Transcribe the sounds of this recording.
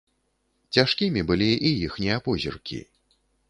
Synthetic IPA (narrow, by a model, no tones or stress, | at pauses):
t͡sʲaʂkʲimʲibɨlʲiʔijixnʲɛapɔzʲḭrkʲḭ